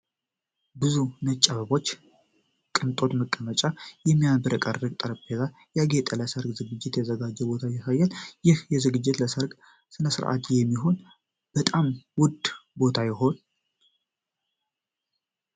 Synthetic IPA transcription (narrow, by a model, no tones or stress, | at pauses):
bɨzunət͡ʃʼːəβəβo̞t͡ʃː | kʼɨnt̪ʼo̞t̪məkʼːəmət͡ʃʼajɛmːijabəɾəkʼərːɨɡ̚t̪ʼəɾəpʰeza | jaɡet̪ʼələsəɾɡzɨɡɨd͡ʒːɪt̪jɛzəɡad͡ʒːɛbo̞t̪ʰajɪsajːaljɪhjɛzɨɡɨd͡ʒːɪt̪ləsəɾɡ | sɨnəsɨɾʔa̰t̪jɛmːiɦo̞n | b̥ət̪ʼamwʊd̪bo̞t̪ʰajɪɦo̞n